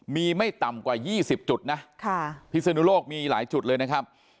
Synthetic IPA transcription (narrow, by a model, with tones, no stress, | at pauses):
miː˧ma˥˩jt̪a˨˩mkwaː˨˩jiː˥˩si˨˩p̚t͡ɕu˨˩t̪̚na˦˥kʰa˥˩pʰi˦˥t̪̚sa˧nuː˦˥loː˥˩k̚miː˧laː˩˦jt͡ɕu˨˩t̪̚lɤː˧jna˦˥kʰa˦˥p̚